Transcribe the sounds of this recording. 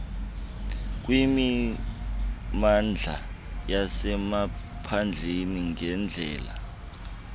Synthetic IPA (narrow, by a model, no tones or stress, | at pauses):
k̬wimi | mand͡ɮʱa̰ | jasɛma | pʰand͡ɮʱeniŋɛnd͡ɮʱɛ̰ːla